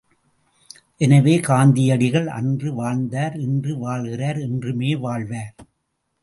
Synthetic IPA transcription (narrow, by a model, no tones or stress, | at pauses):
ʔɛnɐʋeːkaːnd̪ɪjɐɽɪɣɐɭʔɐ̰ndrɯʋaːnd̪aːɾɛndrɯʋaːɭɣɪraːɾɛndrɯmeːʋaːɭʋaːɾ